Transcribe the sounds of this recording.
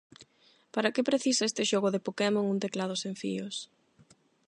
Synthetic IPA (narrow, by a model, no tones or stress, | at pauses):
paɾakepɾeθisaest̪ɪʃoɣʊðepokemoŋunt̪eklaðʊsẽɱfḭʊs